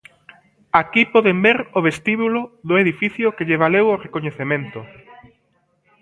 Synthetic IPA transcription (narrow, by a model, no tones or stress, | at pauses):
akipɔðembeɾoβest̪iβuloðʊeðifiθjʊkeʎeβ̞aleworekoɲeθemẽnt̪ʊ